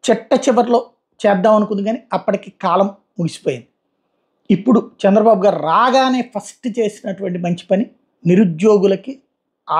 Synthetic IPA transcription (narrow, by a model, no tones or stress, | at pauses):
t͡ʃiʈːɐt͡ʃiʋɐɾlo̞ː | t͡ʃɛːd̪ːaːmɐnukund̪iɡaːniɐpːɐʈikiːkaːlɐmːuɡisi̥po̞ːjind̪i | ipːuɽut͡ʃɛnd̪ɾɐbaːbuɡaːɾiɾaːɡaːne̞ːpʰɐsʈt͡ʃe̞ːsinɐʈuʋɐɳʈ̬imɐɲt͡ʃi̥pɐni | niɾud͡ʒjo̞ːɡulɐki | aː